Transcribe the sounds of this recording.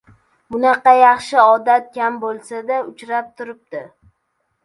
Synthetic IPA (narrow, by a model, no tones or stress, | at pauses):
mʊnɑqɑjɑχʃɪɒd̪at̪̚kʲʰambolˠsad̪aʊt͡ʃɾap̚t̪ʰʊɾɪp̚td̪ɪ